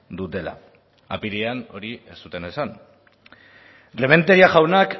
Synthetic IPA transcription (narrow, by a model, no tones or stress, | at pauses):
d̪ut̪e̞la̰ | a̰piɾeano̞ɾie̞st̪ut̪e̞ne̞san | re̞me̞nt̪eɾiaʝawnak